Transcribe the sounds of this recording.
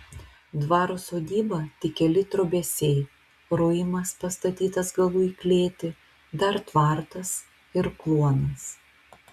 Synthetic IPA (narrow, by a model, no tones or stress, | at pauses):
d̪ʋɑːɾʊsoːd̪ʲiːbɐt̪ʲɪkʲɛlʲɪt̪ɾobʲɛsʲɛɪ | ɾʊjɪmɐspɐst̪ɐt̪ʲiːt̪ɐsɡɐlˠuiklʲeːt̪ʲɪ | d̪ɐɾt̪ʋɑˑɾt̪ɐs | ɪɾklˠuɔnɐs